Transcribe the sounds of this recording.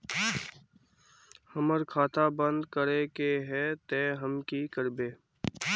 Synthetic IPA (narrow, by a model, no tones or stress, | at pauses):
həməɾkʰaːt̪abə̃nd̪kəɾekeɦɛːt̪eːɦəmkikəɾbeː